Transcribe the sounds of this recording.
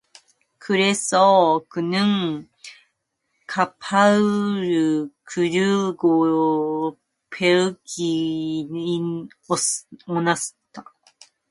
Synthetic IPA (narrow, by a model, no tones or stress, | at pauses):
kʰɯɾesoːkɯnɯ̃ŋ | kʰapʰaɾɯkʰɯɾɯɡo | pʰeɯkʰi | i | oonast̪a